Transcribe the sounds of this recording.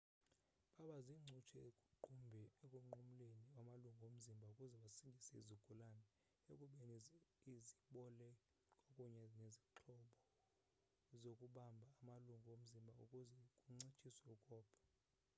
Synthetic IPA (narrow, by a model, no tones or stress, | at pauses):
ɓaɓaziŋ͡ǀʱut͡ʃʰɛkʼuǃumbʱɛekʼuŋ͡ǃum̩leniwamaluŋɡʱom̩zimbʱaukʼuzɛɓasiŋʱisɛizuɡ̥ʱulanɛ | ekʼuɓɛniziɓɔlɛ | kʼokʼuɲɛneziǁʰɔɓɔ | zokʼuɓambʱaːmaluŋɡʱom̩zimbʱaṵkʼuzɛkʼuŋ͡ǀit͡ʃʰʼisɛukʼɔːpʰɔ̥